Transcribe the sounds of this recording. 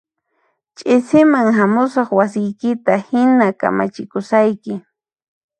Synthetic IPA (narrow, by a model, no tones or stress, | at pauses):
t͡ʃʼɪsɪmaŋɦamʊsɑχwasɪjkɪt̪ahɪnaka̰ma̰t͡ʃɪkʊsajkɪ